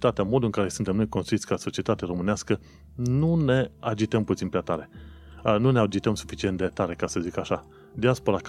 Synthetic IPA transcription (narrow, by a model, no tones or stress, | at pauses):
t̪at̪eamo̞d̪ulɨŋkaɾe̞sunt̪e̞mno̞jkonst̪ɾuit̪sʲkaso̞t͡ʃie̞t̪at̪eaɾo̞mɨneaskə | nune̞ad͡ʒit̪əmput̪inpɾeat̪aɾe̞ | nunead͡ʒit̪əmsu̥fit͡ʃint̪̚d̪et̪aɾe̞kasəzikaʃa | d̪iaspo̞ɾak